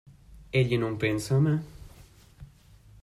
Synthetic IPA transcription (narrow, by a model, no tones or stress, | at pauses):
eʎenompensama